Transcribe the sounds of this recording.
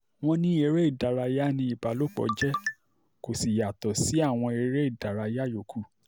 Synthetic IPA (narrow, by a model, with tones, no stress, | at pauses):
w̃ɔ̃˧nĩ˦e˧ɾe˦i˦˨da˨ɾa˧ja˦nĩ˧i˨ba˨lo˦k͡pɔ̰˨d͡ʒɛ˦ | ko˨si˨ja˨tɔ˨si˨˦a˦˨w̃ɔ̃˧e˧ɾe˦i˦˨da˨ɾa˧ja˦jo˨kʰu˦˨